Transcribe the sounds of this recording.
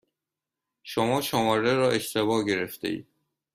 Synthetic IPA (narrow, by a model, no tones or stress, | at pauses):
ʃomɒːʃomɒːɾeɾɒːʔeʃt̪ʰebɒːɟe̞ɾeft̪ʰḛḭːd̪̥̚